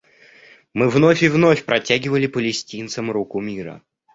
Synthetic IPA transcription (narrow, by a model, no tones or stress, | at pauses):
mɨvnofʲɪvnofʲpɾɐtʲæɡʲɪvəlʲɪpəlʲɪsʲtʲint̪səmɾukʊmʲiɾə̰